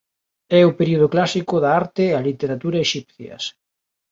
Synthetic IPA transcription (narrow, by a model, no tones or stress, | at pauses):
ɛʊpeɾioðʊklasikʊðaaɾt̪ealit̪eɾat̪uɾɐeʃipθjɐ̰s